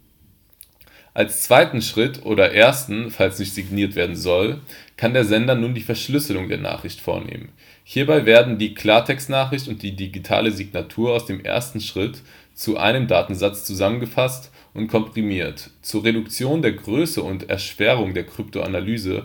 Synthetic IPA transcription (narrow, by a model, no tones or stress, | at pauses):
ʔalst͡sv̥aɪtn̩ʃʁ̥ɪtʰʔo̰ːdɐʔeːɐstn̩falsnɪçtz̥iɡniːɐtv̥eːɐdn̩zɔlkʰandeːɐzɛndɐnuːndiːfɛɐʃlʏslʊŋdḛːɐna̰ːχʁ̥ɪçtfo̰ːɐnḛːmə̰n | hiːɐbaɪveːɐdn̩diːkʰl̥aːɐtʰɛkstnaːχʁɪçtʊnt̚d̥iːdiɡitʰa̰ːləziɡnatʰuːɐaʊsd̥eːmʔḛɐstn̩ʃʁ̥ɪt | t͡suʔa̰ɪnəmdaːtn̩zat͡st͡suzamənɡəfast | ʔʊntkʰɔmpʁ̥imiːɐtt͡suːɐʁedʊkt͡sjoːndeːɐɡʁøːsəʊntɛ̰ɐʃv̥ɛʁ̞ʊŋdeːɐkʁ̥ʏptʰoa̰nalyːzə̰